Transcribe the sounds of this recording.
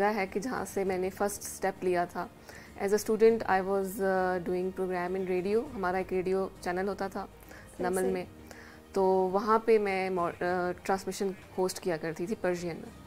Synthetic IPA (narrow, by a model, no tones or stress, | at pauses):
ɡaɦɛkid͡ʒɐɦã̰semɛ̃ːnefɐɾsʈsʈɛplijat̪ʰaː | ɛ̰ːzəsʈuːɖə̃ɳʈa̰ːɪʋɔːzɖuːɪ̃ŋɡpɾoːɡɾɛ̃ːmɪ̃nɾeːɖioɦɐmaːɾaeːkɾeːɖijot͡ʃɛːnəlɦoːt̪at̪ʰaː | nɐməlmẽ | t̪oːʋɐɦãpemɛ̃mɔːʈɾãːnsmɪʃənhoːsʈkijakɐɾt̪it̪ʰipɐɾd͡ʒijənmḛ̃